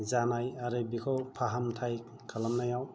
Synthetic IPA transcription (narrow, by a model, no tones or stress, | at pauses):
zanajaɾɯbikʰɔwpʰaɦamtʰaj | kʰalamnajaw